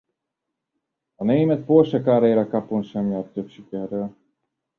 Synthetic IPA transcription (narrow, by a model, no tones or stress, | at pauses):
ɒnejmɛt̪̚porʃɛkaːɾejɾɒkɑponʃɛmjart̪ːøpʃikɛrːøl